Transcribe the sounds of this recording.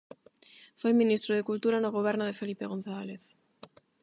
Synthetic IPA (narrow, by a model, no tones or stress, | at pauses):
fojmĩnist̪ɾoðekult̪uɾanoɣ̞oβ̞eɾnoðefelipeɣõn̟θaleθ